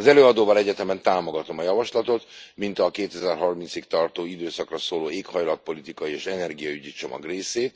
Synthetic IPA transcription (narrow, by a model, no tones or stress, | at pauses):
ɒzɛløːɒd̪oːvɒlɛɟɛt̪ɛmɛnt̪aːmo̞ɡɒt̪o̞mɒjɒvɒʃlɒt̪o̞t̪mint̪ɒkeːt̪ɛzɛrɦɒrmint̪sikt̪ɒrt̪oːid̪øːsɒkrɒsoːloːeːkhɒjlɒt̪̚po̞lit̪ikɒjieːʃɛnɛrɡijɒyɟit͡ʃo̞mɒ̰ɡreːseːt̪